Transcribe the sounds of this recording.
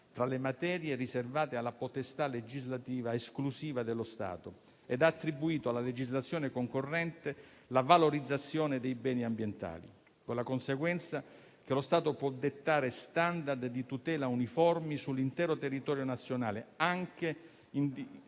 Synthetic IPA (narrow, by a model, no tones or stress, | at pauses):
t̪ɾalemat̪ɛːɾjeriservaːt̪ealːapot̪est̪aled͡ʒizlat̪iːvaesklusiːvad̪elːost̪a̰ːt̪o | ɛd̪aːt̪ːɾibuiːt̪oalːaled͡ʒizlat̪sːjɔːnekoŋkorːɛnt̪e | lavaloɾid̪zːat̪sːjɔːned̪ejbɛːniambjent̪a̰ːlḭ | kolakonseɡwɛnt̪sa | k̟elost̪aːt̪opwɔd̪ːet̪ːaːɾest̪and̪ard̪d̪it̪ut̪ɛːlaunifɔrmisulːint̪ɛːɾot̪erːit̪ɔːɾjonat̪sːjona̰ːleaŋke | in